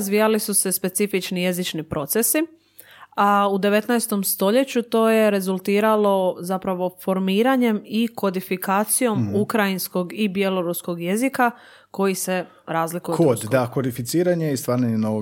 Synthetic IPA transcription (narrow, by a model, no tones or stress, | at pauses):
zʋijalisuse̞spe̞t̪sifit͡ʃnije̞zit͡ʃnipɾʔo̞t̪sesi | aud̪e̞ʋe̞t̪najst̪o̞mst̪o̞ʎe̞t͡ɕut̪o̞ːje̞ɾe̞zulˠt̪iːɾalo̞zapɾaʋo̞fo̞ɾmiːɾaɲe̞miko̞d̪ifikaːt̪sijo̞mukɾajinsko̞ɡibje̞lo̞ɾusko̞ɡje̞zika | ko̞jise̞ | ɾaːzlikkujod̪d̪akod̪ifit̪siːɾaɲeist̪ʋaːɾaɲenoʋo